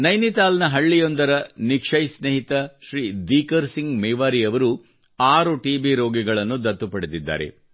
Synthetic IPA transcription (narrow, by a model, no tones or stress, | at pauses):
nɐjnit̪aːlnɐɦɐɭːijond̪ɐɾɐnikʂɐjsneɦit̪ɐʃɾiːd̪iːkɐɾsiŋɡmɛːʋaːɾijɐʋɐɾu | aːɾuʈiːbiɾo̞ːɡiɡɐɭɐnːud̪ɐt̪ːupɐɽed̪id̪ːa̰ːɾe̞̰